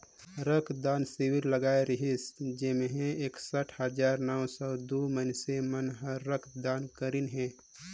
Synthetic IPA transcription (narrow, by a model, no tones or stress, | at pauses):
ɾəkʰd̪aːnsiwiɾləɡaːeɾəɦisd͡ʒemeɦẽeːksəʈʰhəd͡ʒaːɾnəwsɔd̪umənsemənɦəːəkʰd̪aːnkəɾinɦɛ̃ː